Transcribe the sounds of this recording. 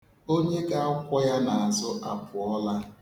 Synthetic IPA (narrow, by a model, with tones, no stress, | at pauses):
o˦ɲe˦ɡa˦a˦kʷɔ˦ja˦na˨a˨zʊ˦ʔa˨pʊ˨ɔ˦la˦